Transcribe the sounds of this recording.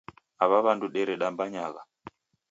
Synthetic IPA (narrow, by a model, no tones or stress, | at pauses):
aβaβanduɗɛɾɛɗambaɲaɣa